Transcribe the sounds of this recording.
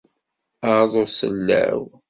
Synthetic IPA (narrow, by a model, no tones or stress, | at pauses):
aðˤosəlːæ̰w